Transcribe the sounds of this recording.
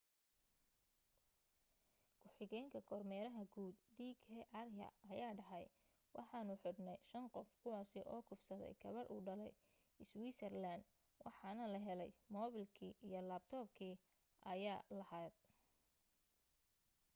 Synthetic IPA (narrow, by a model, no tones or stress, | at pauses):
kʰʊħɪɣɛːŋkʰɐkʰɔrmɛːɾɐɦɐɡuːd̪d̪iːkʰɛʔɑrjɐ̰ɐjaːɖɐħɛj | wʔɑ̰ħɑːnʊħʊd̪nɛjʃɐnqɔfkʰʊwɑːsɪʔɔːkʰʊfsɐðɛ̰jɡʰɐβɐɾʔṵːɖɐlɛ̰j | ɪswiːsʰɛrland̪ | wʔɑ̰ħɑːnɐlɐɦɛlɛjmɔːβɪlkʰiːʔijɔlabt̪ʰɔːbkʰiː | ʔɐjaːlɐhaːd̪̥̚